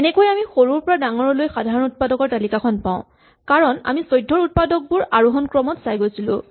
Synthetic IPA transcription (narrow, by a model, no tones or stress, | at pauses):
ɛnɛkojamixoɹuɹpɔɹadaŋɔɹɔlojxadʱaɹɔnut̚padɔkɔɹtalikakʰɔnpã̰ʊ̃ | kaɹɔna̰misɔjdʱːɔɹut̚padɔk̚bʊɹʔaɹuɦɔnkɹɔmɔtsajɡojsilʊ̰̃